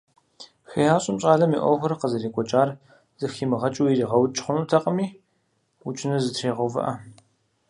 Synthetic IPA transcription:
xeaːɕʼɪmɕʼaːɮɐmḭːʔʷɔ̰xʷʊɾɐqəzɐreːkʷʼɔt͡ʃʼaːr | z̥ɨxiːmɨʁɐt͡ʃʼujiriːʁɐwt͡ʃʼχʷʊnuːtʰɐqʼɐmiː | wʊt͡ʃʼɪnɐzɨtʰreːʁɐwvɐ̰ʔɐ

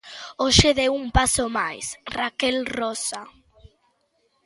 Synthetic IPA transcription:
oʃeðeumpasomajsrakɛlrɔsa

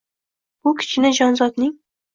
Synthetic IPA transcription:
bʊkʲʰɪ̥t͡ʃʰɪnɪd͡ʒɒnzɒd̪nɪŋ

